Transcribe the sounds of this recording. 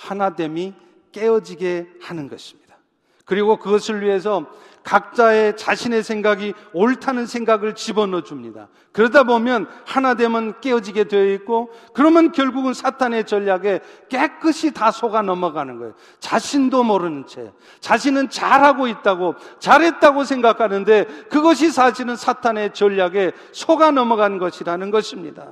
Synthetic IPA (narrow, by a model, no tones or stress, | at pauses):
hanade̞mi | k͈e̞ʌd͡ʑiɡe̞hanɯnɡʌɕʰi̥mɲid̥ḁ | kɯɾiɡokɯɡʌsʰɯɭɥiɦe̞s̬ʰʌ | kak̚t͡ɕ͈ae̞t͡ɕaɕʰine̞sʰe̞ŋɡaɡioɭtʰanɯnsʰe̞ŋɡaɡɯɭt͡ɕibʌnʌd͡ʑumɲida̰ | kɯɾʌdabomjʌnhanade̞mɯnk͈e̞ʌd͡ʑiɡe̞dweʌit̚k͈okɯɾʌmjʌnkjʌɭɡuɡɯnsʰatʰane̞t͡ɕʌʎːaɡe̞k͈e̞k͈ɯɕʰitasʰoɡanʌmʌɡanɯnɡʌjo | t͡ɕaɕʰindomʌɾɯnt͡ɕʰe̞̰ | t͡ɕaɕ̬ʰinɯnt͡ɕaɾɦaɡoit̚t͈aɡot͡ɕaɾɦe̞t̚t͈aɡosʰeŋɡakʰanɯnde̞kɯɡʌɕ̬ʰisʰaɕʰiɾɯnsʰatʰane̞t͡ɕʌʎːaɡe̞ | sʰoɡanʌmʌɡanɡʌɕʰiɾanɯnɡʌɕʰimɲḭda̰